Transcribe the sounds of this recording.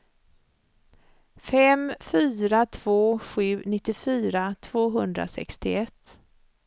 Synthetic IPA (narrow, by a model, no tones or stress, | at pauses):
fɛmfyːɾat̪ʰv̥oːɧʉ̟ːnɪt̪ːɪfyːɾat̪ʰv̥oːɦɵnd̪ɾa̰sɛ̰kst̪ɪɛt̪ː